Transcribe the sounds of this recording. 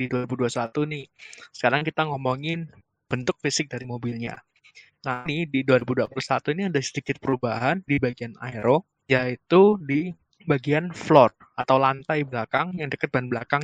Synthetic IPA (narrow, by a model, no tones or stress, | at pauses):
diduaɾibuduasat̪unɪhsə̥kaɾaŋkit̪aŋɔmɔŋɪn | b̥ənt̪ʊk̚fisɪk̚daɾimobilɲa̰ | nanɪdiduaɾibuduapulusat̪uiniadasədikɪt̪̚pəɾubaɦandibaɡiana̰eɾo | jait̪udi | baɡianflɔt̪̚ | at̪awlant̪ajblakaŋjaŋdəkət̪̚banblakaŋ